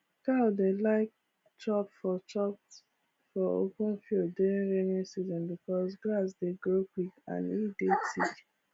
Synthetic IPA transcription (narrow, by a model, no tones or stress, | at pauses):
kadelaɪk̚ | t͡ʃɔpfɔt͡ʃɔp | fɔo̰kũnfilduɹĩnɹɛnisizɔ̃nbikɔsɡlas̬deɡokwikã̰nidetid͡ʒ